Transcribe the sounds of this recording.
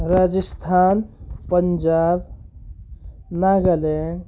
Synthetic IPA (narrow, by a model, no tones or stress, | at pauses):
ɾaːd͡ʒəst̪ʰaːnpənd͡ʒaːb | naɡəle